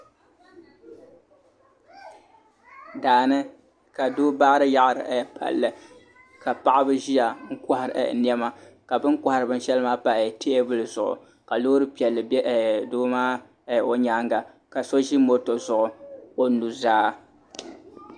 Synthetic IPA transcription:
daː˨nɨ˦ | ka˨doː˦baː˦ɾɨ˦ja˦ʔa˨ɾɨ̰˨ʔpʰa̰˨lːɨ˨ | ka˨pa˦˨ʔa˦bɨ˦ʒi˦ja˨ŋ̩˦ka˦˨ha˨ɾɨ̰˨n˦ɛ˦ma˦ | ka˨bɨ˦ŋkʷa˨ha˨ɾɨ˨bɨ˦n˦ʃɛ˦lɨ˦maː˦pa˨ʔte˦e˦bɨ˦lɨ˨zʊ˨ʔʊ̰˨ | ka˨lo˦ɾɨ˦pi˨ɛ˨lːɨ˨bɛ˦ʔdoː˦maː˦˨ | o˦ɲa˦ŋɡa˨ | ka˨so˦ʒi˦mo˦to˨zʊ˨ʔʊ˨o˨nu˨zaː˦

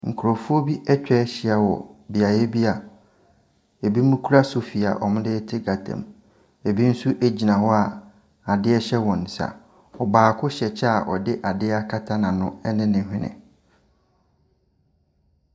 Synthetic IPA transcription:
ŋ̩˨kʰu˨ɾo˨fʊ˦o˦bi˦ɛ˦t͡ɕᶣɛ˦ɕɪ˦a˨wɔ̰˨bɪ˨a˨je˦bi˦a˨ | e˨bi˦mũ˦kʰu˦ɾa˦sʊ˨fi˨a̰˨ʔɔ˨mʊ̃˦dɪ˦tʰɪ˦ɡa˨tʰã̰˨m | e˨bi˦n̩˦su˦ʔe˦d͡ʑi˨nã˨hɔ˦a˨ | a˨dɪ˦ɛ˦ɕɛ˦wɔ̃˨nsa̰˨ | ɔ˨baː˨kʰʊ˦ɕɛ˨t͡ɕʰɛ˦a˨ʔɔ̰˨dɪ˦ʔa˨dɪ˦a˦kʰa˦tʰa˦nã˨nʊ̃˦ɛ˦nɪ̃˦nɪ̃˨ɦᶣɪ̃˦nɪ̰̃˨

